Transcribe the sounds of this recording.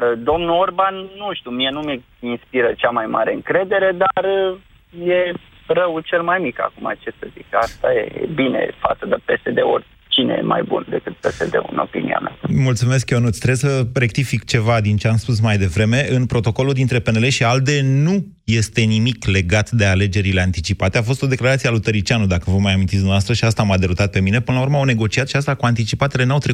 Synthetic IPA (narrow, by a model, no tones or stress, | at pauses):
d̪o̞mnuorbanːuʃt̪umienume | inspiɾət͡ʃamajma̰ɾeɨŋkɾe̞d̪e̞ɾe̞d̪arə | je̞ | rəwt͡ʃe̞lmajmika̰kuma̰t͡ʃesəzikəast̪ajḛbine̞̰fa̰t̪səd̪əpesed̪e̞o̰rʲ | t͡ʃinḛjḛma̰jbṵnd̪e̞kɨt̪̚pesed̪ḛɨ̰no̞̰pḭnḭa̰mja̰mult̪sume̞s̬kjonut̪sʲt̪ɾebsəre̞k̚t̪ifikt͡ʃe̞vad̪int͡ʃeamspus̬majd̪e̞vɾe̞me̞ʔɨnpɾo̞t̪o̞ko̞lud̪int̪ɾe̞pe̞ne̞le̞ʃiald̪e̞nu | je̞st̪e̞nimikle̞ɡat̪d̪e̞ale̞d͡ʒe̞ɾile̞ant̪it͡ʃipat̪e̞afo̞st̪o̞d̪e̞klaɾat̪siealut̪əɾit͡ʃianud̪akəvomːajamint̪isd̪unavast̪ɾəʃiast̪aːmad̪eɾut̪at̪̚pe̞mine̞pɨnəlaurməawne̞ɡo̞t͡ʃiat̪ʃiast̪akuant̪it͡ʃipat̪e̞le̞nawt̪ɾe